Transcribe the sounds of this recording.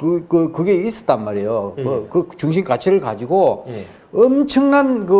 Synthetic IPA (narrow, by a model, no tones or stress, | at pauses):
kɯkɯkɯɡe̞is͈ʌ̥t͈̚anmaɾejokɯkɯt͡ɕuŋɕ̬ʰimkat͡ɕʰiɾɯɭkad͡ʑiɡo | ʌmt͡ɕʰʌŋnankɯ